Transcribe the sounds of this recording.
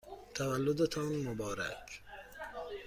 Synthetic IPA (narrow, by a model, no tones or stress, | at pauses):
t̪ʰavalːʊd̪at̪ʰɔːnmʊbɑːɾa̰k